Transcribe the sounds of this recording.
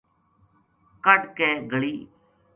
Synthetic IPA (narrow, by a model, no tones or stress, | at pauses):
kəɖkeːɡʱəɭiː